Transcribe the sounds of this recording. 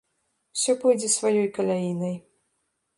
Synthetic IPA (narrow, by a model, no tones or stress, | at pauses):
w̥sʲɔpɔjd͡zʲɛsvajɔjkɐlʲajinɐj